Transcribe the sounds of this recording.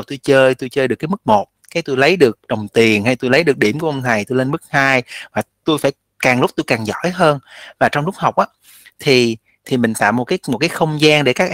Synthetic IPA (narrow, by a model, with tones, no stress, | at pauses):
t̪u˧jt͡ɕəː˧jt̪u˧jt͡ɕəː˧jɗɨ˨˩əkːaː˨˦jmɨ˦˥k̚mo˨˩t̚kaː˨˦jt̪u˧jlə˨˦jɗɨ˨˩ək̚ɗə˨˩wŋ͡mt̪i˨˩ənha˧jt̪u˧jlə˨˦jɗɨ˨˩ək̚ɗi˧˩əmku˧˩əʔə˧ŋ͡mt̪ʰa˨˩jt̪u˧jle˧nmɨ˦˥k̚haː˧jvaː˨˩t̪u˧jfaː˧˩j | kaː˨˩ŋlʊ˦˥k͡p̚t̪u˧jkaː˨˩ŋzɔ̰˧˩˨jɦəː˧nvaː˨˩t͡ɕɔ˧wŋ͡mlʊ˦˥k͡p̚ha˨˩wk͡p̚ʔaː˨˦ | t̪ʰi˨˩ | t̪ʰi˨˩mï˨˩ŋ̟t̪a̰ː˧˨mːo˨˩t̚kaː˨˦jmo˨˩t̚kaː˨˦jxə˧wŋ͡mzaː˧ŋɗe˧˩kaː˦˥k̚ʔ